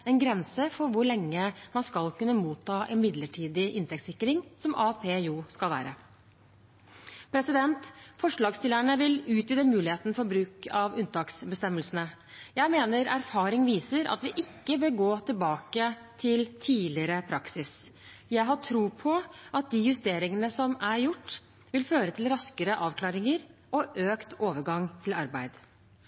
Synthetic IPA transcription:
ɛnɡɾɛnsəfɔɾʋʊɾɭɛŋːəmɑnskɑlkʉnːəmuːt̪ʰːɑːʔɛ̰nmɪd̪ləʈʰiːd̪ɪʔɪnt̪ɛk̚t̪sɪkːɾɪŋsɔmʔɑːpʰeːuːskɑlʋæ̰ːɾə | pʰɾɛsɪd̪ɛnt̪fɔʂɭɑːɡst̪ɪləɳəʋɪlʉːt̪yːd̪əmʉːlɪheːt̪ən̩fɔɾbɾʉːkʰɑʋʉnt̪ɑːksbəst̪ɛmːəlsənə | jæɪmeːnəɾæɾfɑːɾɪŋʋiːsəɾʔɑ̰t̪ʋɪʔɪkːəbeɡoːt̪ʰɪlbɑːkə | t̪ʰɪlt̪ʰiːlɪəɾəpʰɾɑksɪs | jæɪɦɑʈʰɾuːpʰɔʔɑt̪̚d̪iːjʉst̪eːɾɪŋənəsɔmæɾjʊʈː | ʋɪlføːɾət̪ʰɪlɾɑskəɾəʔɑːʋkʰlɑːɾɪŋəɾʔɔʔøːkt̪oːʋəɾɡɑŋt̪ʰɪlɑɾbæɪd̪

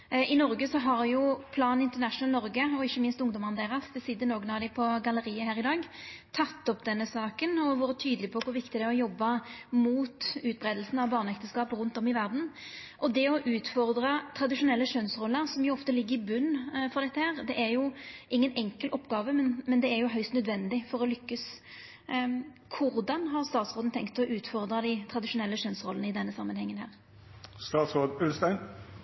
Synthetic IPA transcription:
ʔɪnɔɾɡəsɔɦɑɾjʊpʰlɑːnɪnt̪əʁnæʂʊnəlnɔɾɡəɔɪçːəmɪnst̪ʊŋd̪ɔmɑnd̪ɛɪʁɑsd̪ɛsɪd̪ːənoːɡənɑʋd̪ɪpʰɔɡɑləɾiːəhæːɾɪd̪ɑːɡt̪ʰɑt̪ːɔpd̪ɛnːəsɑːkənɔʋɑːɾət̪ʰyːd̪əlɪpʰɔkʰʊɾʋɪkt̪ɪd̪ɛæɔjɔbːɑmuːt̪ʉːt̪̚bɾʁeːd̪əl̩sn̩ɑʋbɑːʁnɛkt̪əskɑːpɾʉnt̪ɔmɪʋæʁd̪n̩ | ʔɔd̪ɛɔʔʉːt̪fɔʁd̪ɾɑt̪ʰɾɑd̪ɪʂʊnɛlːəʂœnsʁɔlːəɾsɔmjʊɔft̪əlɪɡːəɾɪbʉnːfɔʁd̪ɛt̪ːəhæːʁd̪ɛʔæɾjʊʔɪŋːənɛŋkəlʔɔpːɡɑːʋəmɛnmɛnd̪ɛːɾjʊɦœʏst̪nœd̪ʋɛnd̪ɪfɔɾɔlʏkːəs | kʰʊɾd̪ɑnɦɑʁst̪ɑːt̪sʁoːd̪n̩t̪ʰɛŋkt̪ɔʔʉːt̪fɔʁd̪ɾɑd̪æɪt̪ʰɾɑd̪ɪʂʊnɛlːəʂœnsʁɔlənəɪd̪ɛnːəsɑmːənhɛŋːənhæ̰ːʁ | st̪ɑːt̪sʁoːd̪ʉlst̪æɪn

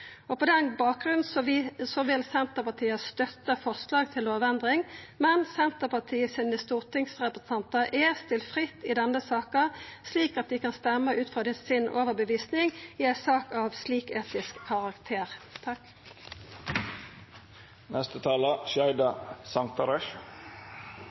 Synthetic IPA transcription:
ɔpɔd̪ɛnbɑːk̚ɡʁʉnn̩ssɔʋɪlsɛnt̪əpɑt̪ʰiːəst̪œt̪ːəfɑslɑːɡt̪ʰɪloːʋɛnd̪ʁɪŋmɛnsɛnt̪əpɑt̪ʰiːəsɪnəst̪uːʁt̪ʰɪŋsʁɛpʁəsn̩ɑnt̪ɑʔɛst̪ɪlt̪fʁɪt̪ːɪd̪ɛnːəsɑːkɑsliːkɑt̪̚d̪ɪkɑnst̪ɛmːəʔʉːt̪fʁɑd̪ɪsɪnʔo̰ːʋəbəʋiːsnɪŋjɪɛsɑːkɑʋsliːkeːt̪ɪskʰːɑʁɑkt̪ʰeːʁt̪ʰɑk | nɛst̪ət̪ʰɑːləʃæɪd̪ɑsɑŋt̪ɑɾɛʃ

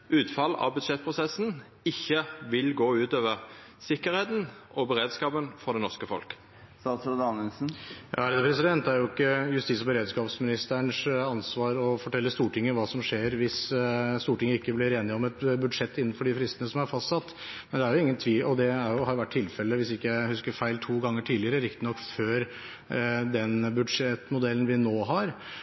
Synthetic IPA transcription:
ʉːt̪fɑlɑ̰ʋbʉd̪ʂɛt̪̚pʰɾʊsɛsn̩ | ɪçːəʋɪlɡoːʉːt̪øːʋəʁ | sɪkəɾheːt̪n̩ʔɔbəɾeːd̪skɑːpənfɔd̪ɛnɔʁʂkəfɔ̰lk | sɑsɔd̪ɑnɛnsn̩jɑ̰æɾd̪əpʰɾɛsɪd̪ɛnt̪̚d̪ɛæɾjʊɪkːəjʉst̪iːsɔbəɾeːd̪skɑːpsmɪnɪst̪əɳʂɑnsʋɑːɾɔfɔʈʰɛlːəst̪uːʈɪŋːəʋɑːsɔmʂeːɾʋɪsst̪uːʈɪŋːəɪkːəblɪɾeːnɪɔmɛt̪bʉd̪ʂɛt̪ːɪnːn̩fɔɖɪfɾɪst̪ənəsɔmæɾfɑst̪sɑt̪ː | mmɛnd̪ɛæɾjʊɪŋːənt̪ʰʋiːlʔɔd̪ɛæɾjʊhɑɾjʊʋæʈʰːɪlfɛlːəʋɪsɪkːəjæɪhʉskəɾfæɪlt̪ʰuːɡɑŋːəʈʰiːd̪lɪəɾəɾɪk̚t̪ɪnɔkːføːɾ | d̪ɛnbʉd̪ʂɛt̪mʊd̪ɛlːn̩ʋɪnoːɦɑɾ

